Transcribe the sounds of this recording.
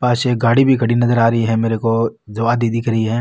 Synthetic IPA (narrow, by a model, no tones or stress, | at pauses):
paːʃeːk̚ɡaːɽibʱikɐɽinɐzəɾaːɾɐɦiɦɛmeːɾekod͡ʒɐʋaːd̪iːd̪ikʰɾɐɦiɦɛː